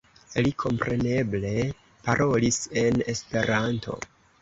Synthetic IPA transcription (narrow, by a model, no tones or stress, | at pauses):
likʰo̞mpɾe̞ne̞ble̞ | paɾʔo̞lise̞ne̞spe̞ɾantʰo̞̰